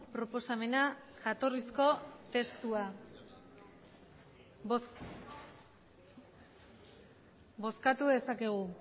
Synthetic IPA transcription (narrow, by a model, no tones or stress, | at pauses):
pɾo̞po̞same̞naʝat̪o̞risko̞t̪e̞st̪ua | bo̞skat̪uðe̞sakeɣ̞u